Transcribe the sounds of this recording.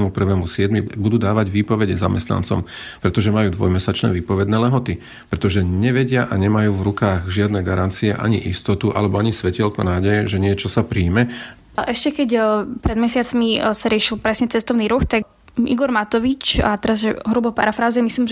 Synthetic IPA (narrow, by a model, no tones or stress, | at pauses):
mupr̩ʋɛːmusɪɛd̪mibud̪uːd̪aːʋaɟʋiːpɔʋɛɟɛzamɛst̪na̰nt͡sɔ̰mpɾɛt̪ɔʒɛmajuːd̪ʋɔ̰jmɛsat͡ʃnɛ̰ːʋiːpɔʋɛd̪nɛːlɛɦɔt̪i | pɾɛt̪ɔʒɛɲɛʋɛɟɪaʔaɲɛmajuːvɾukaːɣʒɪad̪nɛɡaɾant͡siɛʔa̰ɲiʔist̪ɔt̪uʔa̰lɛbɔaɲisʋɛcɛlkɔnaːɟɛjɛʒɛɲɪɛt͡ʃɔsapɾiːmɛ | ʔɛʃcɛkɛcpɾɛd̪mɛsɪat͡smisaɾɪɛʃilpɾɛsɲɛt͡sɛst̪ɔʊniːɾuxt̪a | iɡɔɾmat̪ɔʋit͡ʃat̪ɛɾazʒɛɦɾubɔpa̰ɾafɾaːzʊɛmisliːmʒ